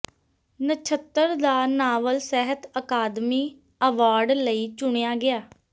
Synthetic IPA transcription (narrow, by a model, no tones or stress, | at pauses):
nət͡ʃʰət̪ːəɾd̪aːnaːʋəlsɛɦət̪əkaːd̪miː | əʋaːɾɖləiːt͡ʃʊɳ̃ejaːɡɪaː